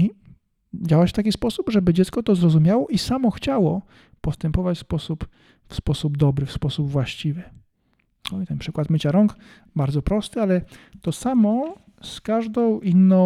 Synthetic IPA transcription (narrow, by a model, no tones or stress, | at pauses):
i | d͡ʑawaɕt̪akʲispɔsupʐɛbɘd͡ʑɛt̪skɔt̪ɔzɾɔzumʲjawɔʔisamɔxt͡ɕawɔ | pɔst̪ɛmpɔvat͡ɕfspɔsup | fspɔsubd̪ɔbɾɘfspɔsubvwaɕt͡ɕivɘ | ɔt̪ɛnpʂɘkwat̪mɘt͡ɕaɾɔŋk | baɾd̪zɔpɾɔst̪ɘalɛt̪ɔsamɔ | skaʐd̪ɔ̃w̃ʔinːɔ̃